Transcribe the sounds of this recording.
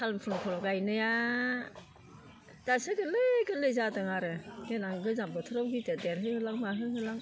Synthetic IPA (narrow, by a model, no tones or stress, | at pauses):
kʰalmpʰunɔpʰɔɾɔɡajnɯja | d̥asɯɡɯlɯɡɯlɯjzadɯŋaɾɯɡenaŋɡɯzambɯtʰɯɾawɡitedeɾɦɯhɯlaŋmaɦɯɦɯlaŋ